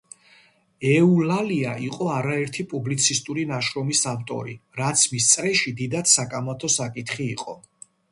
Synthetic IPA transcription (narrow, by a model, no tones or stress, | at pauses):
ɛulaliaʔiqʼɔaɾaɛɾt̪ʰipʼublit̪sʰist̪ʼuɾinaʃɾɔmisavt̪ʼɔ̰ɾiɾat̪sʰmist̪sʼɾɛʃid̪id̪at̪sakʼamat̪ʰɔsakʼit̪ʰχiːqʼɔ̰